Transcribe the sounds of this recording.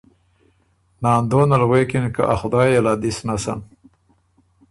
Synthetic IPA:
nɑːnd̪oːnalwekɪnka̰ʔa̰xʊd̪ɑːjelad̪isnasa̰m

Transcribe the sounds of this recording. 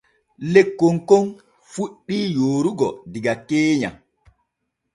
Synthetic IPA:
lekːoŋkon | fuɗːiːjoːɾuɡɔdiɡakeːɲa̰

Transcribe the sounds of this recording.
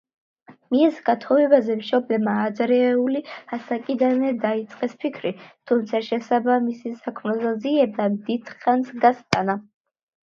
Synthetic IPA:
miɛsɡat̪ʰɔvɛbazɛmʃɔblɛmaːd̪zɾɛuliasakʼid̪anɛd̪ait̪sʼqʼɛspʰikʰɾit̪ʰumt̪sʰaʃɛsabamisisakʰmnɔzaziɛbamd̪id̪̥χansɡast̪ʼana

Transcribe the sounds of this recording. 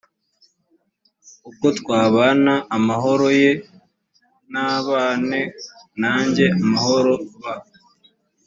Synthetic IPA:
uko̞tkwaːβaːnaʔːmaɦo̞ɾo̞je̞ | naβaːne | naːɲɟe̞ʔamaho̞ɾo̞βa

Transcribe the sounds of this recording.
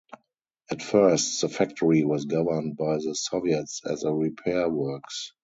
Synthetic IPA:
ʔætfɜ˞stðəfæk̚tʰɔɹiwɔsɡavə˞nd̚baɪðəsɔviɛtsɛ̰zəɹipʰɛwɜ˞ks

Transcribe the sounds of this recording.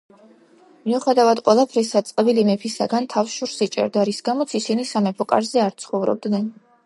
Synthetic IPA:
miuχɛd̪avad̪qʼwɛlˠapʰɾisat̪sʼqʼɛbilimɛpʰisaɡant̪ʰafʃuɾsit͡ʃʼɛ̰ɾd̪aɾisɡamɔt̪sʰisinisamɛpʰɔkʼa̰ɾzɛaɾt̪sʰχɔvɾɔ̰b̚d̪nɛn

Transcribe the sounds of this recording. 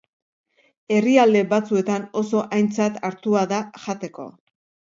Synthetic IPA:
e̞riald̪e̞βat͡sue̞t̪ano̞so̞ʔajnt͡sat̪aɾt̪uaðaʝat̪e̞ko̞̰

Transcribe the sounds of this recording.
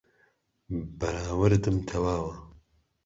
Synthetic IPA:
bɐɾaːwɐɾɨt̪ɨmt̪ʰɐwaːwɐ

